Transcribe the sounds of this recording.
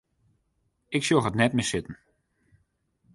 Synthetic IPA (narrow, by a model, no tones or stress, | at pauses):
ɪksjoxətnɛtmɪsɪtən̩